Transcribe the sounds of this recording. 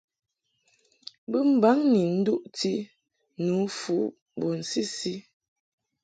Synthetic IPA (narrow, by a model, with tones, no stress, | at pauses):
bə˦m̩˨ba˨˦ŋni˨n̩˦du˦ʔti˦ | nu˨˦fu˨˦ | bo˨n̩˨si˦si˦